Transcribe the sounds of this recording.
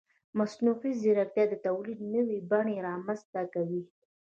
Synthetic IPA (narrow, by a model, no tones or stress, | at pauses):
masnufiziɾak̚t̪jɑd̪ət̪awlid̪nəwibaɳeɾɑmanzt̪akawi